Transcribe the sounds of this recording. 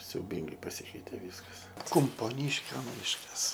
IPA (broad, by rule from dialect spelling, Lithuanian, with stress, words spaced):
sʲɛʊˈbʲiːŋɡɐɪ pɐˈsʲiːkʲɛɪtʲeː ˈʋʲiːskɐs kʊmpoːˈnʲiːʃʲkʲoː ˈmʲɪʃkɐs